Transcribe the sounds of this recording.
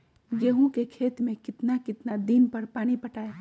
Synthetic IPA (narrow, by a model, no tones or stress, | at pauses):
jeɦũkekʰeːt̪mẽkɪt̪nakɪt̪nad̪iːnpɐɾpaːñipɐʈaːe